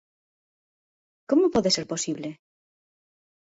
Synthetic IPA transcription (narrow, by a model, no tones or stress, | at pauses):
komopoðeseɾposiβle